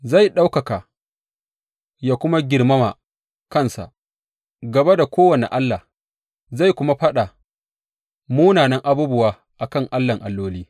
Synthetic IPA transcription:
za˦˨jɗa˦wkɐ˨kaː˨ | jaː˦kʷʊ˦ma˦ɡʲɪ˨rmɐ˦ma˨ | kɐ˦˨nsa̰˨ʔ | ɡɐ˨be˦da˨kʷoː˦wɐ˨nḛ˨ʔa˦lːa˨h | za˦˨jkʷʊ˦ma˦ɸɐ˦ɗa˨ | muː˦naː˨nɐ˦ŋʔa˦buː˦bʊ˦waː˦ | ʔa˨kɐ˦˨ŋʔa˦lːɐ˨ŋʔa˨lːoː˦liː˦

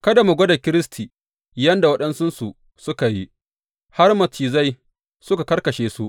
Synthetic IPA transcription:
kɐ˦da˨mʊ˨ɡʷo˦da˨kʲɪ˦ɾɪ˦stʰiː˨ | jɐ˦nda˨wɐ˦ɗɐ˦nsʊ˦nsu˨ | sʊ˦ka˨ji˦ | ha˦rmɐ˨tʰiː˨za˦j | sʊ˦ka˨kɐ˦rkɐ˨ʃeː˦su˦ʔ

